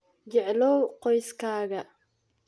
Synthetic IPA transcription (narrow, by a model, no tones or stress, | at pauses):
d͡ʒɛʕlɔwqɔjskʰaːɣɐ